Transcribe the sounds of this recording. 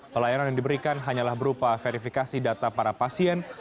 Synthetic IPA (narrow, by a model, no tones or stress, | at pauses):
pəlajananjaŋdibəɾikanɦaɲalahbəɾupafeɾifikasidat̪apaɾapasiɛn